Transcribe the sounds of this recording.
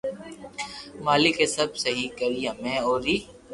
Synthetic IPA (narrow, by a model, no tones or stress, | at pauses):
maːlɪkeːsəb̚səɦiːkəɾijãːmẽːoːɾiː